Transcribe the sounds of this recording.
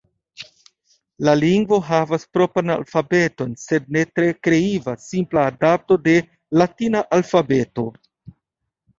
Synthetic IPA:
laliŋɡvo̞ɦavaspɾo̞pɾana̰lfabe̞to̞nse̞d̚ne̞tɾe̞kɾe̞ivasimplaːdap̚to̞de̞ | latinaʔalfabe̞to̞

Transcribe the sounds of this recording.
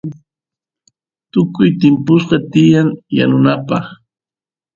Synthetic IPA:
t̪ʊkʊjt̪ɪmpʊsqɑt̪ɪjaŋja̰nʊnapɑχ

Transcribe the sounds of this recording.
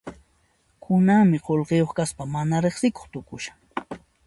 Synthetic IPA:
kʰʊnaŋmɪqolqejoχkaspamanaɾeχsɪko̥χt̪ʊkʊʃḁ

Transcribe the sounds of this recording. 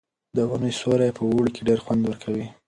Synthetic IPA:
d̪əunəjsoɾajepʰəwuɽikeɖeɾxwand̪wəɾkʰawi

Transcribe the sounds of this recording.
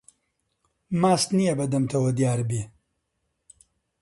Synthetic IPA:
maːst̪nijɐbɐd̪ɐmt̪ʰɐwɐd̪jaːɾbiː

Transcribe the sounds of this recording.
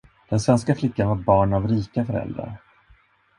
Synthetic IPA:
d̪̥ɛnsvɛnskaflɪkːanvaɾbɑːɳavɾiːkafœɾɛ̰ld̪ɾa̰ɾ

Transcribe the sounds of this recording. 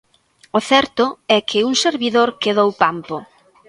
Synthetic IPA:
ʊθɛɾt̪ʊɛkʰɪuŋseɾβiðoɾkeðowpampʊ

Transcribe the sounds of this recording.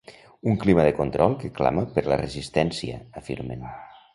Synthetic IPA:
uŋkliməðəkont̪ɾɔlˠkəkla̰məpəɾlərəzist̪ɛnsiə̰ːfiɾmen

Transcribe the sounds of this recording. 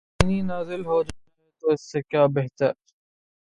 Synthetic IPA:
ininaːzɪlɦoːd͡ʒaːɾɛt̪oɪsːekjaːbeɦt̪əɾ

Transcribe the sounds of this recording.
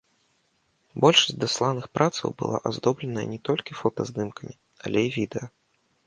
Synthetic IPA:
bɔlʲʂɐ̥sʲd̪aslˠanɨxpɾʔat̪sɐ̰wbɨ̰lˠa̰ʔazd̪ɔblʲɛnɐjɐ̰nʲɛt̪ɔlʲkʲifɔt̪ɐzd̪ɨmkɐnʲi | ɐ̰lʲɛjivʲid̪ɛjɐ

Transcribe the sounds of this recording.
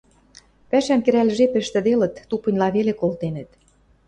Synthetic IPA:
pæʃæmkɘ̆ɾælʒepɘ̆ʃt̪ɘ̆d̪elɤ̆t̪ːupə̆nʲlɑβelekolˠt̪enə̆t̪

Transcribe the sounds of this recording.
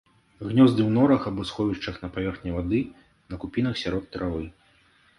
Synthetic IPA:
ɣnʲɔzd̪ɨwnɔɾɐxabɔsxɔvʲiʂt͡ʂɐxnɐpavʲɛrxnʲɛvad̪ɨ | nɐkupʲinɐxsʲaɾɔt̪ːɾʔavɨ

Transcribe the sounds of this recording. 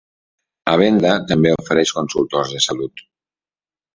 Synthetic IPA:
əβɛnd̪ət̪əmbeofəɾɛʃkonsulˠt̪orzðəsalut̪

